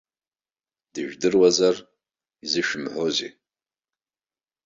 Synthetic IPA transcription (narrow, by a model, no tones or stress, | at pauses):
d̥ɨʒᶣdɨrwazar | izɨʃᶣʊmħʷozḛ